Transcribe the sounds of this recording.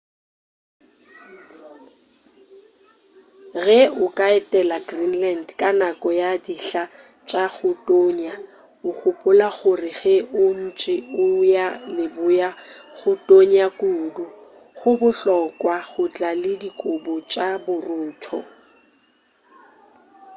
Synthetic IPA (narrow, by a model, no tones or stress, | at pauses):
ɣɛʊkʼaɛtʼɛlaɡrinlandkʼanakʼɔjadiɬa | t͡ʃʼaɣʊtʼoːɲa | ʊk͡xʊpʼʊlaɣʊrɪɣɛʊn̩t͡ʃʼɪʊjalɪbʊjaɣʊtʼoɲakʼuːdʊ | ɣʊbʊɬɔkʼwaɣʊt͡ɬʼalɪdikʼʊbɔt͡ʃʼabʊrʊːtʰɔ̰